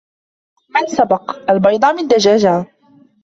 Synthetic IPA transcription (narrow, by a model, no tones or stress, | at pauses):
mansabɑqʔalbɑjd̪ˤɑmɪnd̪ad͡ʒaːd͡ʒa